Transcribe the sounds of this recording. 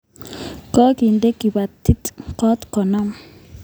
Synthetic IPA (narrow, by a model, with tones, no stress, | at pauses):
kɔ˦ki˨nd̪e˦ki˨ba˨t̪ʰːi˦t̪kɔ˦t̪kɔ˨na˦m